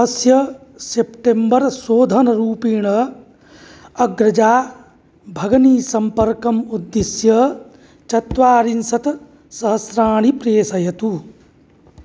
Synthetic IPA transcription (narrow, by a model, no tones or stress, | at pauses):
ɦɐsjɐsepʈembɐɾsoːd̪ʱɐnɐɾuːpiːɳɐ | ɐɡɾɐd͡ʒaː | bʱɐɡɐniːsɐmpɐɾkɐmud̪ːisjɐ | t͡ʃɐt̪ʋaːɾinsɐt̪ | sɐɦɐsɾaːɳ̃ipɾeːsɐjɐt̪u